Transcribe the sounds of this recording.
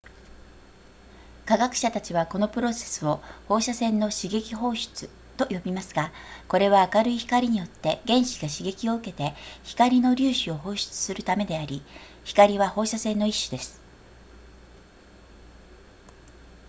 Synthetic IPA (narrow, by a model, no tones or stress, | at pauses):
kaɡakɯ̟̥ɕat̪at͡ɕiβ̞ako̞no̞pɯ̟ɾo̞se̞̥sɨo̞ho̞ːɕasẽ̞nːo̞ɕiɡe̞kʲiɦo̞ːɕi̥t͡sɨ | t̪o̞jo̞bʲimasɨɡako̞ɾe̞βaːkaɾɯ̟içi̥kaɾʲiɲ̟ijo̞t̪ːe̞ɡẽ̞ɰ̃ɕi̥ɡaɕiɡe̞kʲio̞ɯ̟ke̞t̪e̞çi̥kaɾʲino̞ɾʲɨːɕio̞ɦo̞ːɕi̥t͡sɨ̥sɨɾɯ̟t̪ame̞d̪e̞aɾʲi | çi̥kaɾʲiβaho̞ːɕasẽ̞nːo̞iɕːɨd̪e̞sɨ̥